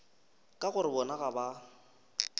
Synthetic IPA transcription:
kʼaɣʊɾɪbɔnaɣaba

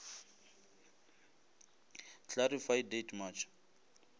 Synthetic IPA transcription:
t͡ɬaɾifajdetmat͡ʃʰɔ̥

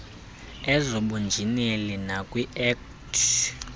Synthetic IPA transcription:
ɛzɔɓund͡ʒʱinelinakʼwiʔɛk | tʰ

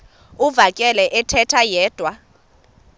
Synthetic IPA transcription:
uvakʼɛlɛʔɛtʰɛtʰajɛːd̥ʱwa

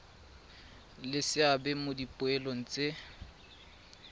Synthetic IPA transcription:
lɪsɪabɛmodipʼʊɛlon̩t͡sʼe

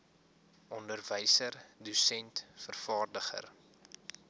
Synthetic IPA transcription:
ʔɔndərvəjsərdusɛntfərfɑːrdəχə̰r

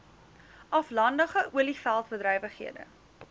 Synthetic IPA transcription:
ʔɐflɐndəχəʔuəlifælˠtbədɾɛjvəχɦḭədə̰

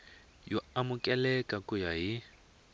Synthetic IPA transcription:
jɔamukʼɛlɛkʼakujaɦi

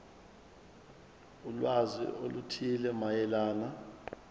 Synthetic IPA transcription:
ulwazḭʔolutʰilɛmajɛlaːna

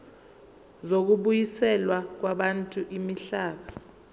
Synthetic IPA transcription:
zok̬uɓujisɛlwak̬waɓantʼuʔimiɬaːɓa

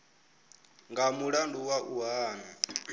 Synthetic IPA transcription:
ŋɡamuɺanduwaʔuɦaːni

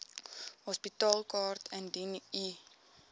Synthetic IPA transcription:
hɔspitɑːlkɑːrtʰəndini

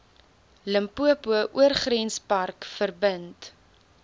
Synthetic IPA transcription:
ləmpuəpuəʔuərχrɛnspɐrkfərbənt

